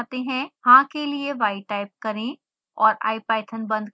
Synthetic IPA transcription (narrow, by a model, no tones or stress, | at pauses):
t̪eɦɛ̃hãkelieʋaːiʈaːɪp̚kɐɾẽ | ɔːɾa̰ːipɛːɪʈ̪ʰənbɐ̃nd̪